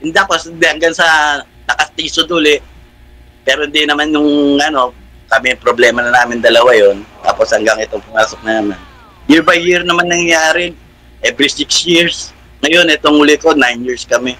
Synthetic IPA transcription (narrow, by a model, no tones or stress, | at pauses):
ʔɛnd̪aːposd̪ɪhɐŋɡansɐ | nɐkɐst̪iːsod̪uːlɪʔ | pɛːɾoɪnd̪ɪnɐmanjʊŋɐno̞ | kɐmɛpɾoblɛːmɐnɐnaːmɪnd̪ɐlɐwajo̞nt̪a̰ːposhɐŋɡɐŋʔɪt̪oŋpʊmaːsok̚nɐnɐman | jɪɹbajːɪɹnɐmanːɐŋjaːɾɪ | ʔɛːbɾisɪksjɪɹs | ŋɐjo̞nɛt̪o̞ŋhʊlɪko̞najnjiɹskɐmɛ